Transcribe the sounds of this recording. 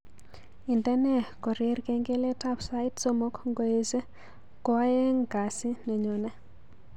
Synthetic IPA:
i˨ndɛ˦nɛ˦kɔ˨ɾɪe˦ɾke˦ŋɡe˦le˦ta˦psa˦ɪ˦tso˦mo˦kŋɡo˦e˦ze˦ | kɔa˦je˦ŋka˨sɪ˦nɛ˨ɲɔ˨nɛ˦

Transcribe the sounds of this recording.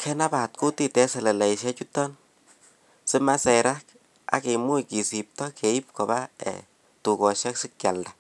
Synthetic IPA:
kʰɛ˦na˦pa˨t̪̚ku˦ti˦te˦sɛ˨lɛ˨lɛ˨jʃɛ˦t͡ʃu˦tːɔ˦n | sɪ˦ma˦se˨ɾa˦k | a̰˨˦ke˨mu˦jki˨si˨p̚tɔ˦kʰe˨i˦p̚ko˨ba˦ɛ̰ | tu˨ɡo˨ʃɛ˦ksɪ˦k̚ja˨lda

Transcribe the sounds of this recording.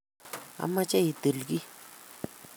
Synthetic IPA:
a̰˨ma˦t͡ɕa˥˦ji˨t̪ə˩˨lɡi˦

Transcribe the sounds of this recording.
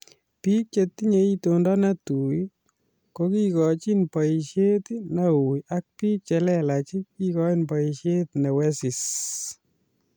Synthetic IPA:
piː˦k̚t͡ʃet̪ːi˦ɲe˦itondɔ˦na˦tu˨j | ko˦ki˦kɔ˨t͡ʃi˦npɔiʃe˦tna˦uja˦k̚piː˦k̚t͡ʃɛ˨lɛla˨t͡ʃi˦kikɔ˦inpɔ˨iʃe˦t̪nɛ˨wɛ˦si˨s

